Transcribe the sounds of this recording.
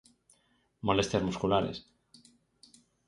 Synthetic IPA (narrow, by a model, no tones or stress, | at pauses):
mo̞le̞st̪jazmuskulaɾḛs